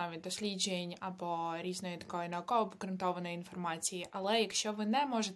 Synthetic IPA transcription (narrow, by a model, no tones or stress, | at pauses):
ɑʋʲit̪̚ʲd̪ɔsʲlʲid͡ʒejenʲɐbɔɾʲiznɔjit̪ɐ̥kɔjʊnɐʊkɔʋɔpkɐɾɐnt̪ɔʋɐnɔjinfɔrmɑt͡sʲijiʔɐlˠɛjɐkʃt͡ʃɔʋɪnɛmɔʒet̪